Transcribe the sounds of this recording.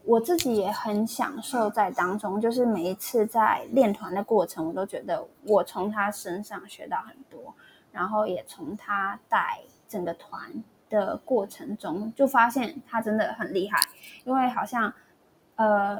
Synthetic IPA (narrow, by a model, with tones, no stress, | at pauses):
wɔ˨˩t͡sɹ̩˥˩t͡ɕi˨˥jɛ˨˩xə˧˥nɕjɑ̰˨˩ŋʂo˥˧ʊt͡sa˥˩ɪt̪ɑ˥ŋʈ͡ʂʊ˥ŋt͡ɕjo˥˧ʊʂ̬ɻ̩˥˩me˨˩ɪi˧˥t͡sʰɹ̩˥˧t͡sa˥˧ɪljɛ˥˩nt̪ʰwa˧˥nd̪ə˨kwɔ˥˩ʈ͡ʂʰə˧˥ŋwɔ˨˩t̪o˥ʊt͡ɕɥɛ˧˥d̪ə̰˧wɔ˨˩t͡sʰʊ˧˥ŋt̪ʰa˥ʂə˥nʂɑ˥˩ŋɕɥɛ̰˧˥t̪ɑ˥˩ʊxə˨˩nt̪wɔ˥ | ɻa˧˥nxo˥˩ʊjɛ˨˩t͡sʰʊ˧˥ŋt̪ʰa˥t̪a˥˩ɪ | ʈ͡ʂə˨˩ŋɡə˦t̪ʰwa̰˧˦n | d̪̥ə˨kwɔ˥˩ʈ͡ʂʰə˧˥ŋʈ͡ʂʊ˥ŋt͡ɕjo˥˩ʊfa˥ɕjɛ˥˩nt̪ʰa˥ʈ͡ʂə˥nd̪ə˨xə˨˩nli˥˧xa̰˥˩ɪi˥nwe˥˩ɪxɑ˨˩ʊɕjɑ˥˩ŋ | ə˧